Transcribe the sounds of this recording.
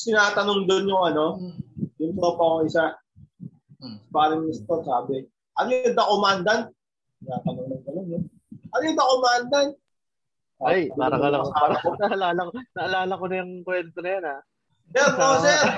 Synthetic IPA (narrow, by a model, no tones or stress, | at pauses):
t̪ɪnaːt̪ɐnoŋd̪onjʊŋɐno̞jʊŋsoːpɐkoŋɪsa | sɐbaːɾɪŋmɪst̪onsaːbɪ | ʔɐnjʊd̪ɐkomand̪ɐn | t̪ɪnaːt̪ɐnoŋnɐŋɡɐnonjʊ | ʔɐnjʊd̪ɐkomand̪ɐn | aajpaːɾɐŋɐlɐaaɾaonɐɐlaːlɐknɐɐlaːlɐkonɐjʊŋkwɛnt̪onɐjona | pɛɾnosɛɾ